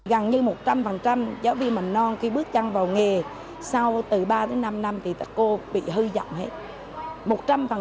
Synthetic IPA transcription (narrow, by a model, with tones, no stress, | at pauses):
ɣə˨˩ŋɲɨ˧mo˨˩t̚t͡ɕa˧mfə˨˩nt͡ɕa˧mzaː˨˦wvḭ˧˨mə˨˩ŋ̟nɔ˧nki˧ɓɨ˦˥ək̚t͡ɕa˧ŋvaː˨˩wŋe˨˩ | sa˧wt̪ɨ˨˩ɓaː˧t̪e˨˦jna˧mna˧mt̪ʰi˨˩t̪a˦˥k̚ko˧ɓḭ˧˨ɦɨ˧zɔ̰˧˨wŋ͡mhe˦˥t̚ | mo˨˩t̚t͡ɕa˧mfə˨˩